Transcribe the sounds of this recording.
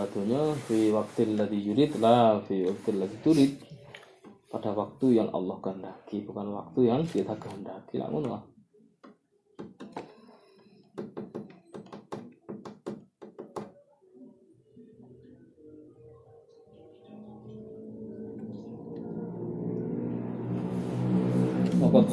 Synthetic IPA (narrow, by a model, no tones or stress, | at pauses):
bad̪uɲafiwak̚t̪ɪlːaðid͡ʒuɾɪt̪lahfiwak̚t̪ɪlːaðit̪uɾɪt̪̚ | padawak̚t̪ujaŋʔɑ̰lːɑhɡaəndakibukanwa̰k̚t̪ujaŋsiat̪aɡəɦəndakila̰ʔmunla̰h | sɔkɔt̪